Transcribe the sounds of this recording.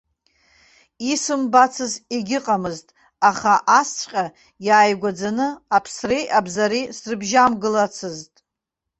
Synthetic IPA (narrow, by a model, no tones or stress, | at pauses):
isɨmbat͡sʰɨziɡʲɪqʼamɨztʼ | aχaʔast͡sʷʼqʲʼa | jaːjɡʷad͡zanɨapʰsrijʔabzaɾisrɨbʒamɡɨlat͡sʰɨztʼ